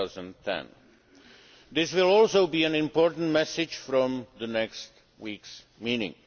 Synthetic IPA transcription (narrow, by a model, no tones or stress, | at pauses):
zə̃ntʰɛ̰̃n | d̪ɪswɪlɔlsoʊbiːæ̃nɪ̃mpɔɹtn̩tmɛsɪd͡ʒfɾɔ̃mðənɛkst | wiːks | miːnɪ̰̃ŋ